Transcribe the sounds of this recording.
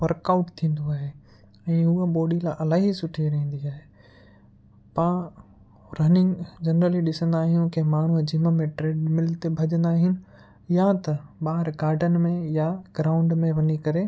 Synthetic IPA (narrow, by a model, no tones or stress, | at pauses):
ʋɐɾkaʊʈt̪ʰĩːn̆d̪oaːɦe | ɛ̃ːɦuəɓoːɗilaʔɐlaːɦisʊʈʰeɾɐ̃ĩːn̆d̪iaːɦeː | pã | ɾɐnɪ̃ŋɡd͡ʑɐnɾəliɗɪsə̃nd̪aːɦijũkʰemaːɳ̤ud͡ʑɪmə̆mẽʈɾeːɖmɪlt̪ebʱɐʄə̃nd̪aːɦɪnɪ̆ | jat̪ɐɓaːɾɡaːɾɖənmẽjaɡ̥ɾaːʊ̃ɳɖmẽʋɐɲikɐɾe